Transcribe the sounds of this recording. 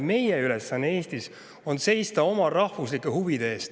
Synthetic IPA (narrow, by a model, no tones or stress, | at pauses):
me̞jeyle̞sːɑnːee̞ːst̪is | o̞nse̞jst̪ɑo̞mɑrɑhvuslikːˑehuvid̪̥eeːst̪